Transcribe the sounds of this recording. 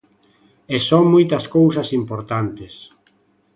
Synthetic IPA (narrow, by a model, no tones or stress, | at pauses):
ɛsɔŋmojt̪ɐskowsɐsimpoɾt̪ant̪ɪs